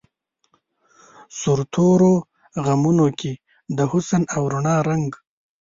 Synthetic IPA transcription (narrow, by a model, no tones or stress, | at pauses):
sʊɾt̪ʰoɾo | ɣamunoke | d̪əhʊsanawɾuɳɑːɾaŋɡ